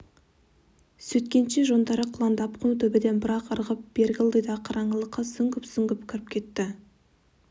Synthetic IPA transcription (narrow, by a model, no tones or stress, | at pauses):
sɵt̪kʲe̞nʃe̞ʒo̞nd̪ɑɾəqʰʊlˠɑnd̪ɑpqʰʊnut̪ʰɵbɪd̪e̞nbɪɾɑqəɾʁəp̚b̥e̞ɾɡʲɪlˠd̪əjd̪ɑqʰɑɾʔɑɴəlˠəqːɑsʏŋɡʲɪpsʏŋɡʲɪpkʲʰɪɾɪp̚kʲʰe̞t̪ːɪ